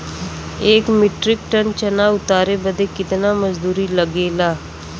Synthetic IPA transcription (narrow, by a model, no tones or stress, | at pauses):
eːkmɪʈɾɪk̚ʈənt͡ʃənaʊt̪aːɾebəd̪ʱekɪt̪naməzd̪uːɾiləɡeːlaː